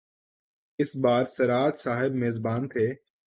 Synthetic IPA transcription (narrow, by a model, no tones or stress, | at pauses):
ɪsbaːɾsɐɾaːt̪saːɦɪbmeːzbaːnt̪ʰeː